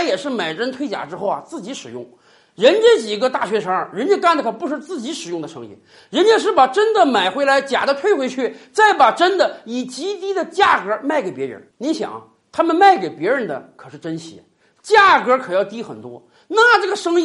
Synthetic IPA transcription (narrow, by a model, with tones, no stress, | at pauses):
jɛ˨˩ʂɻ̩˥˩ma˨˩ɪʈ͡ʂə˥nt̪ʰwe˥ɪt͡ɕja̰˨˩ʈ͡ʂɻ̩˥xo˥˧ʊɐ˩t͡sɹ̩˥˩t͡ɕi˧˥ʂɻ̩˨˩jʊ̰˥˩ŋ | ɻə˧˥nt͡ɕə˥t͡ɕi˨˩ɡə˧t̪a˥˩ɕɥɛ˧˥ʂʰə˧˥ɻə˧˥nt͡ɕɛ˥ka˥˩nd̪ə˩kʰɤ˧˩pu˧˥ʂɻ̩˥˧t͡sɹ̩˥˩t͡ɕi˧˥ʂɻ̩˨˩jʊ˥˩ŋd̪ə˩ʂɤ̰˥ŋḭ˧˥˩ | ɻə˧˥nt͡ɕjɛ˧˥nʂ̬ɻ̩˥˩pa˨˩ʈ͡ʂə˥nd̪ə˨ma˨˩ɪxwe˧˥ɪla˧˥ɪt͡ɕja˨˩d̪ə˦t̪ʰwe˥˧ɪxwe˧˥ɪt͡ɕʰy˥˩t͡sa˥˩ɪpa˨˩ʈ͡ʂə˥nd̪ə˨i˨˩t͡ɕi˧˥t̪i˥d̪ə˨t͡ɕja˥˩kɤ˧˥ma˥˩ɪke˨˩ɪpjɛ˧˥ɻə̰˧˥nni˧˥nɕjɑ̰˨˩˦ŋ̰˦ | t̪ʰa˥mə˨nma˥˩ɪke˨˩ɪpjɛ˧˥ɻə˧˥nd̪ə̰˨kʰɤ˨˩ʂɻ̩˥˩ʈ͡ʂə˥nɕʰḭ˧˥˩ | t͡ɕja˥˩kɤ˧˥kʰɤ˨˩jɑ˥˩ʊt̪i˥xə˨˩nt̪wɔ̰˥ | na˥˩ʈ͡ʂɤ˥˩ɡə˩ʂɤ˥ŋi˥˧